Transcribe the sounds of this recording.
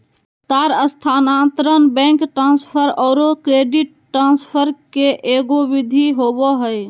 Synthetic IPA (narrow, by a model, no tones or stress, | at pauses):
t̪aɾəst̪ʰanãt̪ɾənbɛ̃ŋkʈɾãnspʰəɾɔːɾokɾeɖiʈ | ʈːɾãnspʰəɾkeʔeɡoʋid̪ʱiɦobɔɦəj